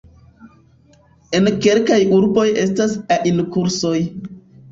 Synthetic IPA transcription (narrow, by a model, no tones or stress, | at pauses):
e̞nke̞lkajuɾbo̞je̞stasaʔinkuɾso̞j